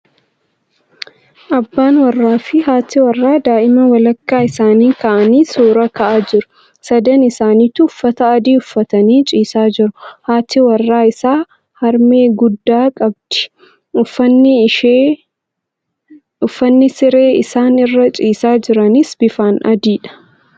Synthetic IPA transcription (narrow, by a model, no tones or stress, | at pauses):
ʔɐbːaːnwɐrːaːfɪɦaːt̪ɪwɐrːaːd̪aːʔɪmɐwɐlɐkːaːɪsaːniːkɐʔɐniːsoːɾɐkɐʔaːd͡ʒɪɾʊ̥ | sɐd̪ɐnɪsaːniːt̪ːʊʊfːɐt̪ɐːd̪iːʊfːɐt̪ɐniːt͡ʃʼiːsaːd͡ʒɪɾʊhaːt̪ɪwɐrːaːɪsaː | hɐɾmeːɡʊd̪ːaːkʼɐb̚d̪̥ɪ̥ | ʊfɐnːɪe | ʊfːɐnːɪsɪɾeːɪsaːnɪrːɐt͡ʃʼiːsaːd͡ʒɪɾɐnɪsb̥ɪfaːnɐ̰d̪iːᶑɐ̥